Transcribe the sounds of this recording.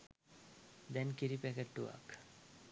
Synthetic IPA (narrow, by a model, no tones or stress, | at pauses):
d̪ɛnkiɾipækeʈːuʋa̰k